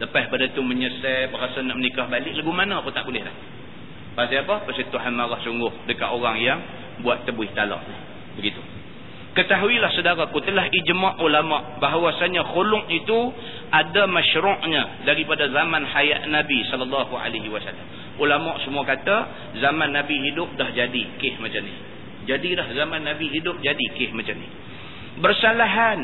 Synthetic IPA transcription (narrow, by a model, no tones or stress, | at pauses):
ləpahbadat̪uməɲəsabəɾasanaʔmənikahbalɪʔlaɡumanaaput̪aʔbulɛhla̰h | baasiapapərsit̪uɦanmaɣahsuŋɡʊhdəka̰ʔoɣaŋjaŋ | buat̪ːəbuɪht̪ala̰ʔ | bəɡit̪u | kət̪aɦuilahsədaɾakut̪əlaɦid͡ʒmaʔulamaʔbaɦawasaɲaxolʊŋit̪u | ʔadamaʃɾʊʔɲadaɾipadazamanhaja̰t̪̚nabisɔləlːɑɦua̰laɦiwasa̰lːa̰m | ulamaʔsəmuakat̪a | zamãnːabiɦidʊp̚dahd͡ʒadikɪhmat͡ʃamnɪ̰h | d͡ʒadilahzamãnːabiɦidʊp̚d͡ʒadikɪhmat͡ʃamnɪ̰h | bərsalaɦan